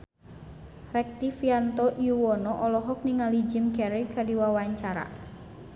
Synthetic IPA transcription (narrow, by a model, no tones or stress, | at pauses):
rɛk̚t̪ifiant̪ɔʔiuwɔnɔʔɔlɔɦɔk̚niŋalid͡ʒimkɛɾikadiwawaɲt͡ʃaɾa̰